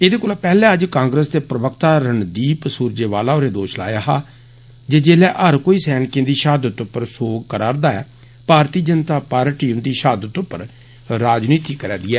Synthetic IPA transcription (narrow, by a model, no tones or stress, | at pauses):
eːd̪eːkoːlaːpɛːlɛ̃ːəd͡ʒkãːŋɡɾəst̪eːpɾəʋəkt̪aːɾəɳd̪iːpəsuːɾd͡ʒeːʋaːlaːoːɾeːd̪oːʃla̰ːjaːɦaː | d͡ʒeːd͡ʒeːlɛːʔəɾkoːiːsɛːnkẽːd̪iːʃaːd̪ət̪ʊpːəɾsoːɡkəɾaːɾd̪aːɛ̰ː | paːɾt̪iːd͡ʒənt̪aːpaːɾʈiːəmd̪iːʃaːd̪ət̪ʊpːəɾ | ɾaːd͡ʒniːt̪iːkəɾɛ̰ːd̪iːɛː